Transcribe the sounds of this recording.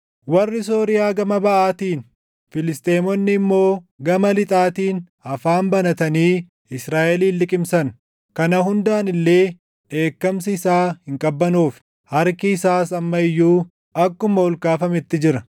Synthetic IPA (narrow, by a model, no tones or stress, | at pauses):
wɐrːɪs̬o̞ːɾɪjaːɡɐmɐbɐʔaːt̪iːn | fɪlɪst̪ʼeːmɔnːɪːmːo̞ːɡɐmɐlɪt̪ʼaːt̪iːn | ɐfaːmbɐnɐt̪ɐniː | ɪsɾaːʔɛliːlːɪkʼɪmsɐn | kɐnɐɦʊnd̪aːnɪlːe̞ː | ʔe̞ːkːɐmsɪɪsaːhɪŋkʼɐbːɐnuːf | hɐɾkɪɪsaːsɐmːɐɪjːuː | ʔɐkːʊmɐɔlkaːfɐmɛt̪ːɪd͡ʒɪɾɐ